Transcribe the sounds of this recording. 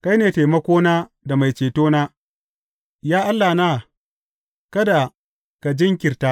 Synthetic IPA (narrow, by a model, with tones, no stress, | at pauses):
ka˦jneː˨te˨jmɐ˦kʷoː˦naː˦ | da˨ma˨jt͡ʃeː˨toː˦naː˦ | jaː˦ʔa˦lːaː˨naː˦ | kɐ˦da˨ | ka˨d͡ʒɪ˦ŋkʲɪ˨rta˦